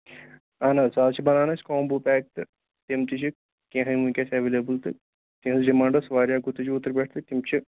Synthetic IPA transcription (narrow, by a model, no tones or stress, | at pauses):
aːnasaːt͡ʃʰibɐnaːnɐsʲkoːmbuːpʲɛːk̚t̪ɨ | t̪imt̪it͡ʃʰi | kʲẽːɦɐnmukʲasɐʋeːleːbɨlt̪ɨ̰ | t̪ĩɦɐsd͡ʒimãːɳɖɐsʋaːɾʲjaːɡut̪ːɨt͡ʃʰiut̪ːəɾbʲeːʈʰt̪ɨt̪imt͡ʃʰi